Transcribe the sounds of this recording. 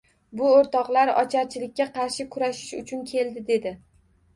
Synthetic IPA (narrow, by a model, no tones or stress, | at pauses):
bʊoɾt̪ɒqlaɾɒ̰t͡ʃʰaɾt͡ʃʰɪlɪk̚ʲːaqʰɑɾʃɪkʰʊɾaʃɪ̥ʃʊ̰t͡ʃʰʊnkʲʰe̞lˠd̪ɪd̪e̞d̪ɪ